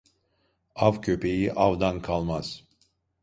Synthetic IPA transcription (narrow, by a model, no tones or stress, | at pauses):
avcʰøpʰe̞jiʔavd̪ankʰalˠmaz̥